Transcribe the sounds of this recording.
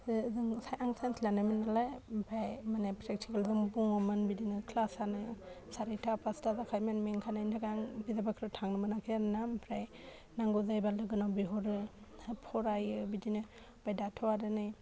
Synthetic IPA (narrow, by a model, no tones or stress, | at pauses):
zɯŋsajʔaŋsanslanaminalajbajmanepʰɾek̚tʰikalzɯŋbuŋɔmɯnbidinɯkʰlasanɯj | saɾitʰapʰastazakʰajmanmeŋkʰanajntʰakaŋbizabakʰɾɯtʰaŋnɯmɯnakʰjannampʰɾaj | naŋɡɔzajbaldɯɡɯnawbiɦɔɾɯpʰɔɾajɯbidinɯ | b̥ajdatʰɔwaɾɯnɯj